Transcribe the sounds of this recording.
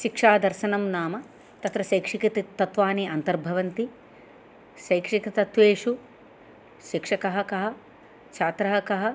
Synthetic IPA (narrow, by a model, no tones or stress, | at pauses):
ʃikʂaːd̪ɐɾʃɐnɐmnaːmɐ | t̪ɐt̪ɾɐʃɐjkʂikit̪it̪ːɐt̪ʋaːniʔɐnt̪ɐɾbʱɐʋɐnt̪i | ʃɐjkʂikɐt̪ɐt̪ʋeːʂu | ʃikʂɐkɐɦɐkɐɦɐ̆ | t͡ʃʰaːt̪ɾɐɦɐkɐɦɐ